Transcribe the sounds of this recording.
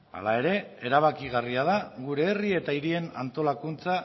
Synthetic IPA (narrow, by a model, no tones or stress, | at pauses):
a̰lae̞ɾe̞e̞ɾaβ̞akiɣariað̞aɣuɾe̞ːrie̞t̪aiɾie̞na̰nt̪o̞lakunt͡sa